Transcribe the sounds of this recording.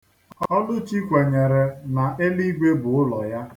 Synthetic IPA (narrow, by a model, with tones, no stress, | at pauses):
ɔ˦dʊ˦t͡ʃi˦kʷe˨ɲe˨ɾe˨na˨ʔe˦li˦ɡʷe˦bʊ˨ʊ˦lɔ˨ja˦